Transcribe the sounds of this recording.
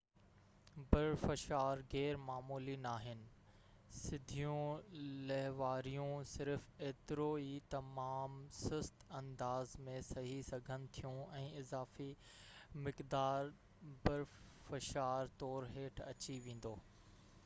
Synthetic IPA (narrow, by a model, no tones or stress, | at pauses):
bɐɾfɐʃaːɾɣɛːɾmaːmuːlinaːɦɪnɪ̆ | sɪd̪ʱijũlɐɦʋaːɾijũsɪɾfeːt̪ɪɾoːit̪ɐmaːmsɪst̪ɐ̃nd̪aːzmẽsɐɦisɐɡʱənɪ̆t̪ʰijũɛ̃ːɪzaːfi | mɪkd̪aːɾ | bɐɾfɐʃaːɾt̪ɔːɾɦeːʈʰɐ̰t͡ɕiʋẽːn̆d̪oː